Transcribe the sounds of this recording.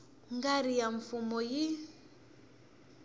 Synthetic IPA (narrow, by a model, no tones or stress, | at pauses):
ŋɡaɾijaɱfumɔji